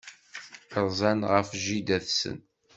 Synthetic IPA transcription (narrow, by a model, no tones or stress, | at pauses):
əɾˤzˤænʁəfʒid̪æθsə̰n